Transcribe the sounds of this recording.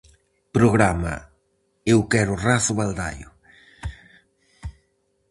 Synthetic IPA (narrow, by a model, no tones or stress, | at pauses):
pɾoɣɾama̰ | ewkɛɾʊraθʊβald̪a̰jʊ̰